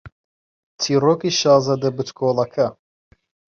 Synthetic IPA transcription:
tʰiːroːkiːʃɑːzɐd̪ɐbɨt̪kʰoːlˠɐkʰɐ

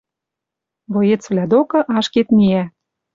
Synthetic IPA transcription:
βojet͡svlʲæd̪okɤ̆ʔɑʃket̪miæ

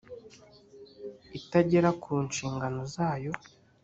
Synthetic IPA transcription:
itaɟe̞ɾakʰuːnʃiːŋɡano̞zaːjo̞

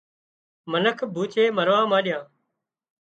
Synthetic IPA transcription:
mənəkʰbʱuːt͡ʃʰeːməɾʋãːmãːɗɪjãː

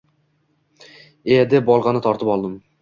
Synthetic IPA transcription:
ed̪ɪbɒlˠʁɑnɪt̪ʰɒɾt̪ɪpɒlˠd̪ɪm

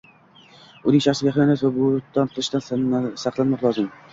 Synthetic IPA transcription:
ʊnɪŋʃaχsɪɡʲaχjanasvabʊd̪ɒnqʰɨlˠɪʃt̪ansɑqlˠanmɒqlˠɒzɪm

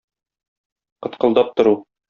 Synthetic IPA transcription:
qɤ̆t̪qɤ̆lˠd̪ɑp̚t̪ŏɾu

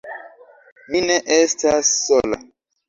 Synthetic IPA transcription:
mineʔestasːola̰

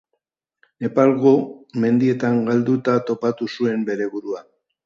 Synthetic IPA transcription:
ne̞palɣome̞nd̪ie̞t̪aŋɡald̪ut̪at̪o̞pat̪usue̞mbe̞ɾe̞βuɾua

